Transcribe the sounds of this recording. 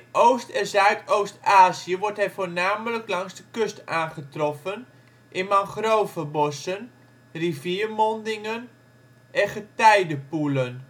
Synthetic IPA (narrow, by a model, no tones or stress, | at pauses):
ɪnoːstɛnzœɥtowstaːziəʋɔrtɦɛjfoːɹnaːmələklɑŋzdəkøstaːnχətrɔfən | ʔɪnmaŋχroːvəbɔsən | riviːrmɔndɪŋən | ʔɛχətɛjdəpulən